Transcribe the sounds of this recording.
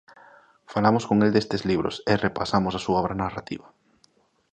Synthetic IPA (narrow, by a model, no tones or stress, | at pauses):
falamoskoŋeld̪est̪ezliβɾo̰serepasamosasuaoβɾanarat̪ḭβa